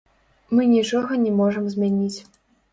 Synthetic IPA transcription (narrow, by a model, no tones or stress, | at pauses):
mɨnʲit͡ʂɔɣɐnʲɛmɔʐɐmzʲmʲanʲit͡sʲ